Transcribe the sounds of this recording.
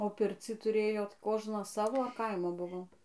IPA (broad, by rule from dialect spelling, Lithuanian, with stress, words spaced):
oː ˈpʲɪrʲt͡sʲiː tʊˈrʲeːjoːt ˈkoːʒnɐs ˈsɑːʋoː ɐr ˈkɐɪmoː ˈbʊʋoː